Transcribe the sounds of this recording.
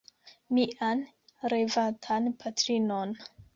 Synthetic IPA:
miʔan | ɾevatʰanpʰatɾinon

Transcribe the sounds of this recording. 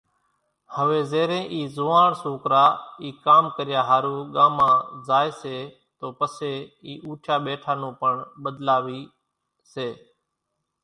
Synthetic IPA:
həʋeːzeːɾẽːʔiːzoːãːɳsoːkɾaːiːkaːmkəɾɪjaːɦaːɾuːɠaːmãːzaːeːseː | t̪oːpəseːiːʔuːʈʰjaːɓeːʈʰaːnũːpəɳɓəd̪laːʋiː | seː

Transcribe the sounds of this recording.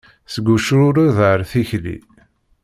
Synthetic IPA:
səɡʷːuʃɾʊɾuðəɾθiçlḭ

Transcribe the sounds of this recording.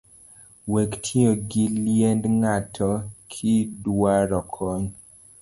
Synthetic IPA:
wektʰioɡiliɛndŋatʰɔkʰidwaɾɔkʰɔɲ

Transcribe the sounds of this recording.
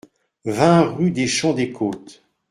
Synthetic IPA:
vɛ̃ʁyd̪eʃɑ̃d̪ekʰoːt̪

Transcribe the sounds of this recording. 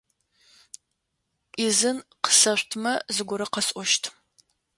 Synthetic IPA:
izɨnqə̥sɐɕʷtʰmɐzɨɡʷʊɾɐqɐsʼɔʃtʰ

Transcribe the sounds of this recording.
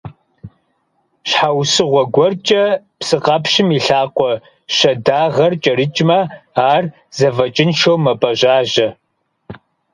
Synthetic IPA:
ɕħawsɨʁʷɔɡʷɔrt͡ʃʼɐ | psɨqɐpɕɪmiɬaːqʷɔ | ɕɐdaːʁɐrt͡ʃʼɐɾɨt͡ʃʼmɐaːr | z̥ɐvɐt͡ʃʼɪnʃowmɐpʼɐʑaːʒɐ

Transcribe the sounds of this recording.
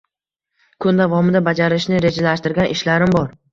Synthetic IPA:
kʰʊnd̪avɒmɪd̪abad͡ʒaɾɪʃnɪɾe̞d͡ʒalaʃt̪ɪɾɡʲanʔɪʃlaɾɪmbɒɾ

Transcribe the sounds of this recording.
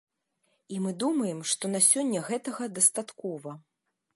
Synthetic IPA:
imɨd̪umɐjɛmʂt̪ɔnasʲɔnʲːɐɣɛt̪ɐɣɐd̪ɐst̪at̪kɔvɐ

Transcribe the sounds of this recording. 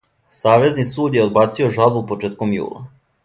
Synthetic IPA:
saːʋe̞znisuːd̪jeo̞d̪baːt̪sio̞ʒalˠbupot͡ʃeːt̪ko̞mjṵːlˠa̰

